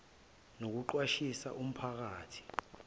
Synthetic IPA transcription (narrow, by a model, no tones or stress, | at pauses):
nok̬uǃwaʃisa̰ʔum̩pʰak̬aːtʰi̥